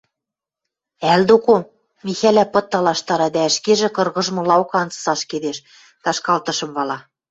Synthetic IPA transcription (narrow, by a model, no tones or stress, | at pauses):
æld̪oko | mixælæpɤ̆t̪ːɑlɑʃt̪ɑɾɑd̪ææʃkeʒĕkɤ̆rɣɤ̆ʒmɤ̆lɑokɑnt͡sɤ̥sɑʃked̪eʃ | t̪ɑʃkɑlt̪ɤ̆ʃɤ̆mβɑlɑ